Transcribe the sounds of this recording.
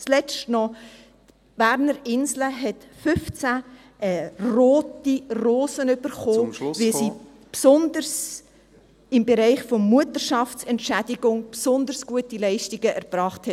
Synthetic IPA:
t͡slɛt͡stnɔ | b̥æɾnəɾɪnzləɦɛtfʏft͡sæ | ʔɛroːtiroːsənʏb̥əɾχoːvisiː | psɔndəɾs | ɪmbeɾɛɪχfɔmmuətəɾʃɑft͡sɛntʃædiɡʊŋpsɔnd̪əɾsɡ̥uətilɛɪʃtiɡəʔɛɾb̥ɾɑːχthɛt

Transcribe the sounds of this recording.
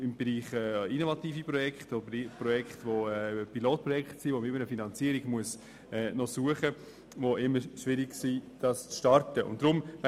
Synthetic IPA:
ɪmbeɾiːχɛːinovɑtiːfipɾɔjɛkχtodpɾɔjɛkχtʋoɛpiloːt̚pɾɔjɛkχtsiʋoməɪmənəfinɑnt͡siːəɾiɡmuəs | ɛːnɔsuəχə | voʔɪməʃʋɪɾɪɡsid̥ɑst͡sʃtɑɾtəʔʊ̰nt̚d̥ɾʊm

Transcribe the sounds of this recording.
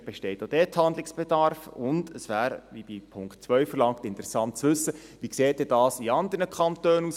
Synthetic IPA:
b̥ɛʃtɛɪtod̥ɛthɑndlɪksb̥edɑɾfʊndəsʋæːɾʋib̥ipʰʊŋkt̚t͡sʋœʏfəɾlɑŋktɪnt̪əɾɛsɑnt̚t͡sʋɵsːə | ʋikseːt̚d̥ɛdɑːsiɑnd̪ərnəkχɑntøːnuːs

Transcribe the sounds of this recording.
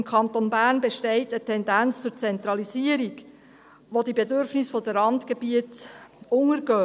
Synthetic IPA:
mkʰɑntonbærnbeʃtɛɪtətʰːɛndænt͡st͡sʊɾt͡sɛnt̪ɾɑlisiəɾiɡ | ʋod̥ibedʏɾfnɪsfod̥əɾɑntɡ̥ebiətʊŋəɾɡœː

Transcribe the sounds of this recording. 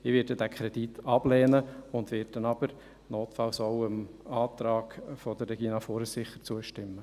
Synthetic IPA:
ɪʋɪdədækʰɾɛd̥̪itɑb̥lɛːnəʊnd̪ʋɪt̚d̥ɛnɑb̥əɾ | noːtfɑlsɔwəmɑːt̪ɾɑːɡfɔd̪əɾːɛɡ̥inɑfoɾəsɪχəɾt͡suəʃtɪmːə

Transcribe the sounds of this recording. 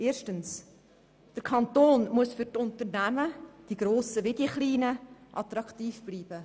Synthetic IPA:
ʔeːɾʃtəns | d̥əɾkʰɑnt̪oːnmuəsfʏɾtʊntəɾnæməd̥iɡɾoːsəvɪdiχliːnəʔɑt̪ɾɑktiːfb̥liːb̥ə

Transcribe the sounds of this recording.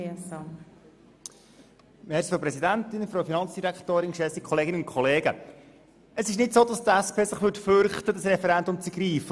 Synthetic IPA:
sɑ | mɛːɾsfɔpɾɛsidæntɪnfɾowfinɑnt͡sd̥iɾæktoːɾɪnʃɛsikχɔleːɡɪnəʊnkʰχɔleːɡə̰ | əsɪʃnɪtsoːd̥ɑstæspʰeːsəχʋʏtfʏɾχtəd̥ɑsɾɛfɛɾɛndʊmt͡siɡriːfə

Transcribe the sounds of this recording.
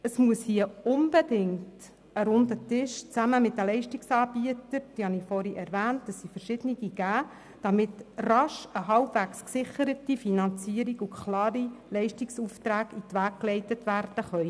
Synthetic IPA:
əsmuəshiəʊnbedɪŋt | əɾʊndətɪʃt͡sæməmɪtdəlɛɪʃtiksɑːb̥iətəɾd̥ihɑnifɔɾiʔɛɾvæːnt̚d̥ɑsːifəɾʃɪd̥əniɡiɡ̥æː | d̥ɑmɪtrɑʃəɦɑlbvæksksɪχəɾətifinɑnt͡siəɾiɡukʰlɑːɾilɛɪʃtiksuːftɾæːɡitʋæːk̚klɛɪtətʋærd̥əχœʏ

